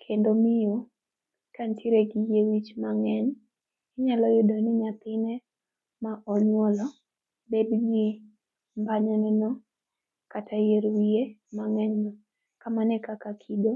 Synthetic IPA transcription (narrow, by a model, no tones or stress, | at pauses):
kʰendomɪjo | kantʰiɾeɡijewit͡ʃmaŋɛɲ | ɪɲalɔjʊdɔnɪɲat̪ɪnɛ | maʔɔɲwɔlɔ | bedɡɪ | mbaɲanɛnɔ | katʰajeɾwiemaŋɛɲma | kamanɛkakakʰido